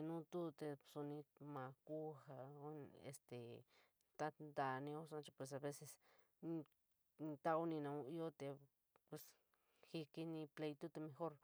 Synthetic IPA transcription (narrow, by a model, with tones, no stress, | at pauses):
e˧nũ˦t̪u˦t̪e˧su˧nĩ˧mã˨˧ku˦ha˧˦ḛ˧st̪e˨ | t̪a˦d̪a˧nĩ˧o˦sã˧˦t͡ʃi˧pwe˨s̬a˧βe˦se˧s | t̪a˦u˦nĩ˧nã˧ũ˧i˦o˦t̪e˧ | pwe˨s | xi˧ki˧nĩ˧ple˧jt̪u˦t̪e˧mẽ˧xo˦ɾ